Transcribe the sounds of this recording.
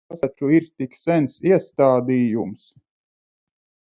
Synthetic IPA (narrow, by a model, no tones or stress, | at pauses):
asat͡ʃuiɾt̪iksɛnsiɛst̪aːd̪iːjums